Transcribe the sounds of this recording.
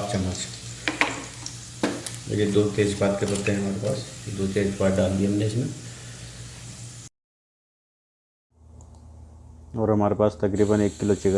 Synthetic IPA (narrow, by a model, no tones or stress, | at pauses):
pt͡ʃɐmːət͡ʃ | mḛd͡ʒed̪oːt̪eːd͡ʒbaːt̪kepɐɾt̪ːẽɦɛɦɐmaːɾepaːsd̪oːt̪eːd͡ʒpaːɖaːnd̪iɐmneɪsmẽ | ɔːɾɦɐmaːɾepaːst̪ɐkɾiːbəneːkːɪlot͡ʃɪɡ